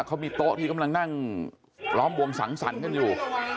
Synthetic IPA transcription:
kʰa˦˥wmiː˧t̪o˦˥ʔt̪ʰiː˥˩ka˧mla˧ŋna˥˩ŋ | lɔː˦˥mbu˧əŋsa̰˩˦ŋsa̰˩˦nka˧˨njuː˨˩

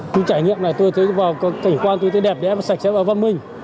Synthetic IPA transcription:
t̪u˨˧˦jt͡ɕaː˧˩jŋḭ˧˨əmlaː˨˩t̪o˧jt̪ʰə˨˦jvaː˨˩wkka˨˧˩ŋkwaː˧nt̪o˧jt̪ʰə˨˦jɗɛ˨˩p̚ɗɛ˨˧˦sa˨˩k̟̚sɛ˧˥p̚ʔəː˧˩va˧nmï˧ŋ̟

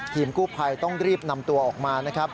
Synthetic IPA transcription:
t̪ʰiː˧mkuː˥˩pʰa˧jt̪ɔ˥˩ŋɾiː˥˩p̚na˧mt̪u˧ɐʔɔː˨˩k̚maː˧na˦˥kʰɾa˦˥p̚

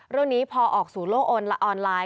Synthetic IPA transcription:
ɾɯ˥˩əŋniː˦˥pʰɔː˧ʔɔː˨˩k̚suː˩˦loː˥˩k̚ʔoː˧nla˦˥ʔɔː˧nlaː˧

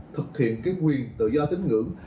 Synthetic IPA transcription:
t̪ʰɨ˨˩k̚hḭ˧˨ənkaː˨˦jkwi˨˩ənt̪ɨ̰˧˨zɔ˧t̪ï˧˦ŋ̟ŋɨ̰˧˥

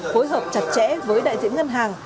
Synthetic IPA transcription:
fo˨˦jɦəː˨˩p̚t͡ɕa˨˩t̚t͡ɕɛ̰˧˥vəː˨˦jɗa̰ː˧˨jzḭ˧˥ənŋə˧nɦaː˨˩ŋ

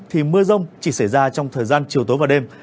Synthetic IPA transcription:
t̪ʰi˨˩mɨ˧əzə˧wŋ͡mt͡ɕi˧˩sa˧˩jzaː˧t͡ɕɔ˧wŋ͡mt̪ʰəː˨˩jzaː˧nt͡ɕi˨˩əwt̪o˨˦vaː˨˩wɗe˧m

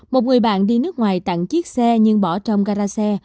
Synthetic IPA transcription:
mo˨˩t̚ŋɨ˨˩əjɓa̰ː˧˨nɗi˧nɨ˦˥ək̚ŋwaː˨˩jt̪a̰˧˨ŋt͡ɕi˦˥k̚sɛ˧ɲɨ˧ŋɓɔ˧˩t͡ɕə˧wŋ͡mɣaː˧zaː˧sɛ˧

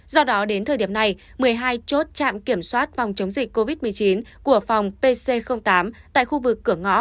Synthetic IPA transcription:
zɔ˧ɗɔ˨˦ɗe˨˦nt̪ʰə˨˩ɗi˧˩əmna˨˩j | mɨ˨˩əjɦaː˧jt͡ɕo˦˥t̚t͡ɕa̰ː˧˨mki˧˩əmswaː˦˥t̚fɔ˨˩wŋ͡mt͡ɕə˨˦wŋ͡mzï˨˩k̟̚ko˧vi˦˥t̚mɨ˨˩əjt͡ɕi˨˦nku˧˩əfa˨˩wŋ͡mpe˧se˧xə˧wŋ͡mt̪aː˨˦mt̪a̰ː˧˨jxu˧vɨ˨˩kːɨ˧˩əŋɔ̰˧˥

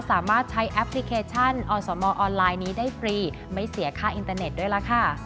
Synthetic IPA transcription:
saː˩˦maː˥˩t̪̚t͡ɕʰa˦˥jʔɛ˦˥pʰli˦˥kʰeː˧t͡ɕʰa˥˩nʔɔː˧sɔː˩˦mɔː˧ʔɔː˧nlaː˧jniː˦˥daː˥˩jpɾiː˧ | ma˥˩jsi˩˦ɐkʰaː˥˩ʔi˧nt̪aː˧ne˨˩t̪̚du˥˩jla˦˥kʰa˥˩

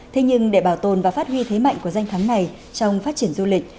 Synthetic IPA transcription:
t̪ʰe˨˦ɲɨ˧ŋɗe˧˩ɓaː˧˩wt̪o˨˩nvaː˨˩faː˦˥t̚hwi˧t̪ʰe˨˦ma̰˧˨jŋ̟ku˧˩əza˧jŋ̟t̪ʰaː˨˦ŋna˨˩j | t͡ɕɔ˧wŋ͡mfaː˦˥t̚t͡ɕi˧˩ənzu˧lï˨˩k̟̚

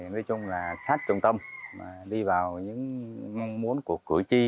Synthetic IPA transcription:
nɔː˨˦jt͡ɕʊ˧ŋ͡mlaː˨˩saː˦˥t̚t͡ɕʊ˧wŋ͡mt̪ə˧mma̰ː˨˩ɗi˧vaː˨˩wɲɨ̰˧˥ŋmɔ˧wŋ͡mmu˨˦ənku˨˩əkːɨ̰˧˩˨jt͡ɕi˧

